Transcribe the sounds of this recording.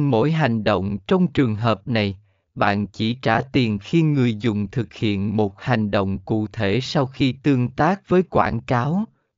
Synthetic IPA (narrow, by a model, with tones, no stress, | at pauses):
mo̰˧˥jɦa˨˩jŋ̟ɗo̰˧˨wŋ͡mt͡ɕɔ˧wŋ͡mt͡ɕɨ˨˩əŋɦəː˨˩p̚na˨˩j | ɓa̰ː˧˨nt͡ɕi˧˩t͡ɕaː˧˩t̪i˨˩ənxi˧ŋɨ˨˩əjzʊ˨˩ŋ͡mt̪ʰɨ˨˩k̚hḭ˧˨ənmo˨˩t̚ha˨˩jŋ̟ɗo̰˧˨wŋ͡mkṵ˧˨t̪ʰe˧˩sa˧wxi˧t̪ɨ˧əŋt̪aː˦˥k̚vəː˨˦jkwa̰ː˧˩nkaː˨˦w